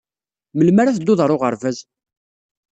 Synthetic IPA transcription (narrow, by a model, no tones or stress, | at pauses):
məlmaɾaθəd̪ːʊðˤɾˤʊʁəɾvæz